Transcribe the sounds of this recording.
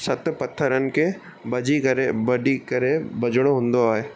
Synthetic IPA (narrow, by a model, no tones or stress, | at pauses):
sɐt̪pɐt̪ʰːəɾən̆ke | bɐd͡ʒikɐɾebɐɖikɐɾebɐd͡ʒəɽ̃ɦʊ̃nd̪oaːeː